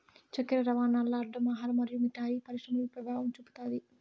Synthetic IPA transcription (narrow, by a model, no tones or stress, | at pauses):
t͡ʃɐkːɐɾɐɾɐʋaːnaːɾlːɐɐɾɖːɐmɐːɦaːɾɐmɐɾijumiʈːaːjipɐɾiʃʂɾɐmɐlupɾɐbʱaːʋɐmt͡ʃupu̥t̪aːd̪i